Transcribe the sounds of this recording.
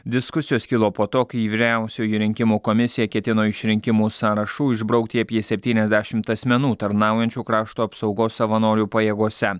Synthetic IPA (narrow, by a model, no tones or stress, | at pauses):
d̪ʲɪskʊsʲɪjoːskʲɪlˠoːpoːt̪oːkɐɪiʋʲɪɾʲæˑʊsʲuːjiɾʲɪŋʲkʲɪmuːkɔmʲɪsʲɪjɛkʲɛt̪ʲɪnoːɪʃʲɾʲɪŋʲkʲɪmuːsɑːɾɐʃuːɪʒbɾɐʊk̚t̪ʲiɐpʲjiɛsʲɛpʲt̪ʲiːnʲɛzʲd̪ʲæʃʲɪmt̪ɐsʲmʲɛnuːt̪ɐɾnɑˑʊjɛnʲt͡ʃʲuːkɾɑːʃt̪uːɐpsɒʊɡoːsːɐʋɐnoːɾʲuːpɐjeːɡuɔsʲɛ